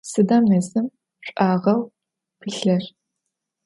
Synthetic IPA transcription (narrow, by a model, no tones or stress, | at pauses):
sɨdaːmnɐzɨm | ɕʷʼʔaːʁɐw | pʰɨɬɐr